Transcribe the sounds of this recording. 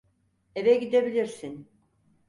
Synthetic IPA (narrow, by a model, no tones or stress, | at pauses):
eveɡid̪ebilʲiɾsin